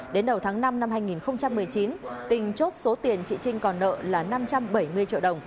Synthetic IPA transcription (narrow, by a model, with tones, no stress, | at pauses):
ɗe˨˦nɗə˨˩wt̪ʰaː˨˦ŋna˧mna˧mhɦaː˧jŋi˨˩nxə˧wŋ͡mt͡ɕa˧mːɨ˨˩əjt͡ɕi˨˦nt̪ï˨˩ŋ̟t͡ɕo˦˥t̚so˨˦t̪i˨˩ənt͡ɕḭ˧˨t͡ɕï˧ŋ̟kɔ˨˩nːə̰ː˧˨laː˨˩na˧mt͡ɕa˧mɓə˧˩jmɨ˧ət͡ɕḭ˧˨ɗə˨˩wŋ͡m